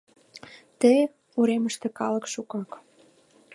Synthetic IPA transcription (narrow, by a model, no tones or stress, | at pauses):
t̪əj | uɾeməʃt̪ĕkɑlə̆kʃukɑk